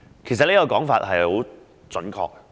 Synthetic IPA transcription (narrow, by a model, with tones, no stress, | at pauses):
kʰe˨˩js̬ɐ˨t̚leː˨˥kɔ˧kɔː˨˥ŋfaː˧t̚hɐ˨jho˨˥w | t͡sɵ˨˥nkʰɔ̰ː˧k̚ː